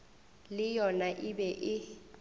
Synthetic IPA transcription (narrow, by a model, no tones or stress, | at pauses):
lɪjɔnaʔɪbɛʔɪ